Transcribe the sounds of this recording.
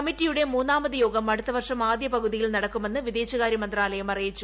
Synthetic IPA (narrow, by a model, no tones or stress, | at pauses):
ɐmitːijuɽe̞muːnːaːmɐðɨjo̞ːɡɐmɐɽut̪ːɐʋɐrʂɐmaːd̪jɐpɐɣuðijilnɐɽɐkːumenːɨʋiðeːt͡ɕːɐɣaːɾjimɐnd̪raːlɐjɐmɐrijit͡ɕːu